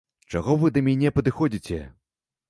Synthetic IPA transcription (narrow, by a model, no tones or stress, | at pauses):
t͡ʂaɣɔvɨd̪ɐmʲanʲɛpɐd̪ɨxɔd͡zʲit͡sʲɛ̰